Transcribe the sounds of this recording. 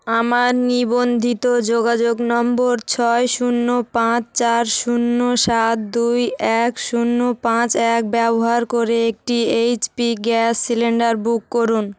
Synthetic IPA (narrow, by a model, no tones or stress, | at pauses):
amaɾnibond̪ʱit̪od͡ʑoɡad͡ʑoɡnɔmboɾt͡ɕʰɔeʃunːopãt͡ɕt͡ɕaɾʃunːoʃat̪̚d̪ujɛkʃunːopãt͡ɕɛk̚bɛboɦaɾkoɾeek̚ʈiejt͡ɕpiɡɛsːileɳɖaɾbukːoɾun